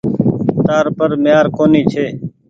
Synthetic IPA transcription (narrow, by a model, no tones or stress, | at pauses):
t̪aːɾpəɾmɪjaːɾkoːniːt͡ʃʰeː